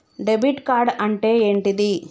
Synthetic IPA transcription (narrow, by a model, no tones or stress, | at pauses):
ɖebiʈkaːɾɖɐɳʈeːeɳʈid̪i